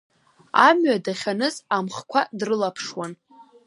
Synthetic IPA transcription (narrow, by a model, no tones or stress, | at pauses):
amɥadaχʲanɨzamχkʷʰadrɨlapʰʂwan